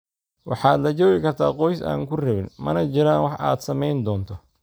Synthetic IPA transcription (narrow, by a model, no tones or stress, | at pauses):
wʔɑħɑːd̪lɐt͡ʃɔːɣɪkʰɐrt̪ʰaːqɔjsa̰ːŋkʰʊrɐβɪnmɐnɐt͡ʃɪɾaːnwɑħʔa̰ːd̪sɐmɛjnd̪ɔːnt̪ʰɔ